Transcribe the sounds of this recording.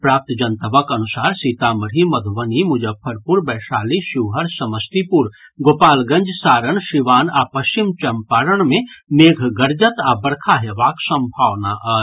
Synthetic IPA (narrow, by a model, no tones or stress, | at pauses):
pɾaːp̚t̪d͡ʒɐnt̪əʋakɐnʊsaːɾsiːt̪amɐɾimɐd̪ʱʋənimʊd͡ʒəb̚pʰɐɾpuɾbɛːʃaːliʃuʋɦɐɾsɐməst̪ipuɾ | ɡoːpaːlɡɐ̃ɲd͡ʒsaːɾəɳʃiʋaːnaːpɐʃt͡ʃimt͡ʃɐmpaːɾəɳmẽmeːɡʱɡɐɾd͡ʒət̪abɐɾkʰaɦeʋaːksɐ̃mbʱaːʋnaʔɐ